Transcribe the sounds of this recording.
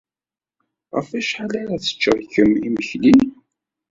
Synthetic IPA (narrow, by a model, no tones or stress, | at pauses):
ʁə̰fæʃħalaɾaθə̥t͡ʃːəɾçəmiməçlin